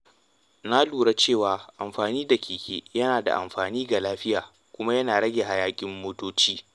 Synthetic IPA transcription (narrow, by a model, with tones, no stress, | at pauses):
na˦luː˨ɽa˦t͡ʃeː˦˨waː˨ʔa˨mɸaː˨niː˦da˨kʲiː˨kʲʼḛː˦jɐ˦naː˨da̰˨ʔa̰˨mɸaː˨niː˦ɡa˨laː˦ɸɪ˦jaː˨ | kʷʊ˦ma˦jɐ˦naː˨ɽɐ˦ɡʲe˨ɦa˨jaː˦kʲʼɪ˦mːoː˦toː˦t͡ʃiː˦